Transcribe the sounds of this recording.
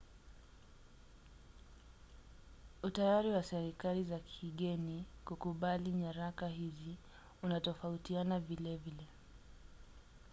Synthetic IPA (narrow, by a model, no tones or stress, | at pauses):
utajaɾiwasɛɾikalizakʰiɠɛnikukuɓaliɲaɾakaɦizi | unatɔfautianavilɛvilɛ